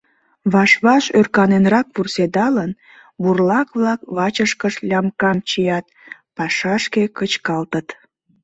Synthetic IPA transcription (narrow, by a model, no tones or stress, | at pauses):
βɑʃβɑʃørkɑnenrɑkβursed̪ɑlən | βurlɑkβlɑkβɑt͡ɕəʃkəʃlʲɑmkɑmt͡ɕijɑt̪̚pɑʃɑʃkekət͡ɕkɑlt̪ət̪